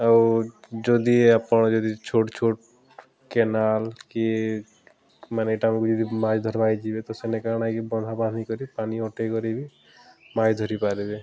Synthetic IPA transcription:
a | d͡ʒod̪iapəɳd͡ʒod̪it͡ʃʰoʈt͡ʃʰoʈ | kenalki | maneʈamkud͡ʒɔd̪imãd͡ʒd̪ʱɔɾbajd͡ʒibet̪ɔsenekanakebɔ̃nd̪ʱapad̪nikɔɾipaniɔʈekɔɾibi | majd̪ʱɔɾipaɾibe

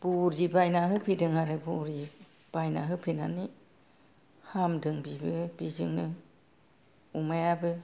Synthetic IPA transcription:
b̥uɾibajnaɦɯpʰidɯŋaɾebuɾi | b̥ajna̰ɦɯpʰinani | hamdɯŋbibɯb̥izɯ̰ŋnɯ | umajabɯ

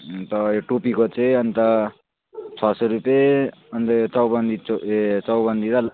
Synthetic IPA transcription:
t̪ʌoʈupikot͡sʌĩʌnt̪ʌ | t͡sʰʌsʌɾupeʌnt̪ʌjot͡sʌwbʌnd̪it͡st͡sʌwbʌnd̪ʱiɾʌ

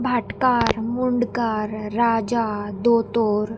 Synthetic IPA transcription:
bʱaʈkaɾmuɳɖkaɾːad͡ʑad̪ot̪oɾ

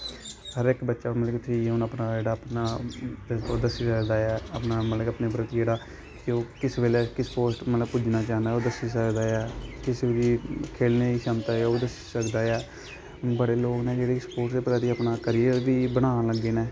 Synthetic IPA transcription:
həɾɪkbətːʃaːmət̪ləkt̪ʰĩeʊnəpnaːd͡ʒeːɽaːəpnaː | od̪əsiːsəkd̪aːɛːəpnaːmət̪ləkəpneːpɾət̪d͡ʒeːɽaː | koːkɪsʋeːleːkɪspoːsʈmət̪ləbpʊd͡ʒnaːt͡ʃaːɦnd̪aːoːd̪əsiːsəkd̪aːɛːkɪsʋeːlikʰeːlneːiːsəmt̪aːɛoːd̪əsi̥ːsəkd̪aːjɛː | bəɽeːloːkneːd͡ʒeːɽeːkspoːʈseːpəɾaːt̪iːəpnaːkəɾijeʋiːbəɽ̃ãːləɡeːnɛː

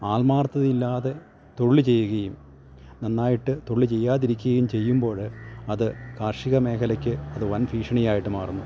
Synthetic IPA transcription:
aːlmaːrt̪ːɐðilːaːðe̞ | t̪oɭːit͡ɕe̞jːuɣɐjum | nɐnːaːjiʈːɨt̪oɭːit͡ɕe̞jːaːðiɾikʲːuɣɐjumt͡ɕe̞jːumbo̞ːɻɨɐðɨkaːrʂiɣɐme̞ːkʰɐlɐkʲːɨɐðɨʋɐnfiːʂɐɳijaːjiʈːɨmaːrunːu

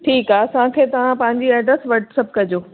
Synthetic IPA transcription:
ʈʰiːkaːɐsããkʰeːt̪ɐʋ̤ãpɐ̃ɦɪ̃ɲd͡ʑiɛːɖəsʋɐʈsɐb̚kɐd͡ʑoː

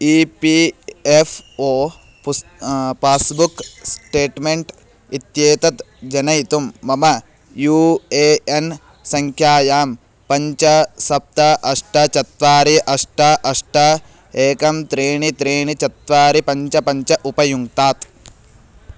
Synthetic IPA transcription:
iːpiːefʰoː | ppaːsbuksʈeːʈmeɳʈ | it̪jeːt̪ɐt̪ | d͡ʒɐnɐjt̪umːɐmɐ | juːeːen | sɐŋkʰjaːjaːm | pɐɲt͡ʃɐsɐp̚t̪ɐʔɐʂʈɐt͡ʃɐt̪ʋaːɾiʔɐʂʈɐʔɐʂʈɐ | eːkɐmt̪ɾeːɳit̪ɾeːɳit͡ʃɐt̪ʋaːɾipɐɲt͡ʃɐpɐɲt͡ʃɐʔupɐjuŋt̪aːt̪

